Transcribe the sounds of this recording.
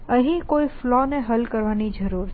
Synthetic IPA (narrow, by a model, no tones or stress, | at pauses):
əɦĩkoiflɔneɦəlkəɾʋanid͡ʒəɾuːɾʰ